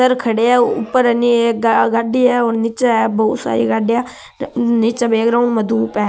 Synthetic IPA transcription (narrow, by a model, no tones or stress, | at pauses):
əɾkʰəɽeːɛːʊ̰pːəɾəniːɡaɖiːɛːoːɾnɪt͡ʃaɛːbɔːt̪sa̰ːɾḭːɡaɖjaː | nɪt͡ʃabeːkɾaunməd̪uːpɛː